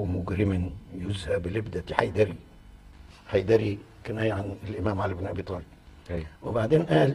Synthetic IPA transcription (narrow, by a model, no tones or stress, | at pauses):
mʊɡɾɪmɪnjʊzhæbɪlɪbd̪æt̪iħajd̪ɑɾi | ħajd̪æɾi | kɪnæːjaʕanlʔɪmæːmʕalabenʔæbiːt̪ˤɑːli | wɪbaʕd̪eːnʔæːl